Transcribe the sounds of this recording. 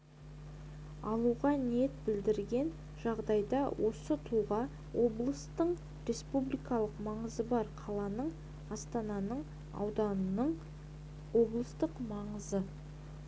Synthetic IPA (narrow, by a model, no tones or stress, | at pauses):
ɑlˠuʁɑnijet̪̚bɪld̪ɪɾɡʲe̞n | ʒɑʁd̪ɑjd̪ɑwʔo̞sət̪ʰuʁɑ | wo̞blˠəst̪əɴ | ɾʲe̞spublijkɑlˠəqmɑɴəzəbɑɾqʰɑlˠɑnəɴ | ɑst̪ɑnɑnəɴ | ɑ̰wd̪ɑnənəɴ | wo̞blˠəst̪əqmɑɴəzə